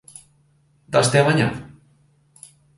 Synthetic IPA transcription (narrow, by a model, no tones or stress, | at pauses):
d̪ast̪eaβaɲa̰